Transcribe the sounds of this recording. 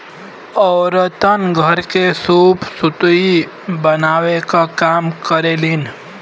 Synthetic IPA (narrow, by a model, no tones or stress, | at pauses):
ɔːɾt̪ənɡʱəɾkesuːpsʊt̪i | bənaːʋekakaːmkəɾelin